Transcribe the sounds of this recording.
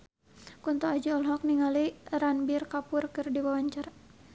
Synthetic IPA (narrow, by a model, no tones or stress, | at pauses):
kunt̪uad͡ʒiɔlɦɔk̚niŋaliranbirkapurkɨrdiwawaɲt͡ʃara